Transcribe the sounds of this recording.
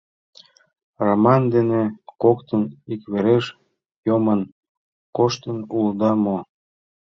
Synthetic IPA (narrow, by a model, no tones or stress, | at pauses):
romɑnd̪enekokt̪ənikβeɾeʃ | jomən | koʃt̪ənuld̪ɑmo